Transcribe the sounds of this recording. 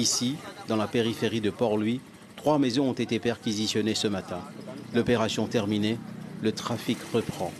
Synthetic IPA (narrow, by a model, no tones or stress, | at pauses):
isid̪ɑ̃lapeʁifeʁid̪əpɔʁlɥi | t̪χwamezɔ̃ɔ̃t̪et̪epɛʁkʲizisjɔnesəmat̪ɛ̃lɔpeʁasjɔ̃t̪ɛʁminelət̪χafikʁəpχɑ̃